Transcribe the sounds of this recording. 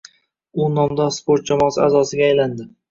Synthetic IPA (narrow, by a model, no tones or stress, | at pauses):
ʊnɒmd̪ɒspoɾt̪̚d͡ʒamɒːsɪazɒsɪɡʲaːjland̪ɪ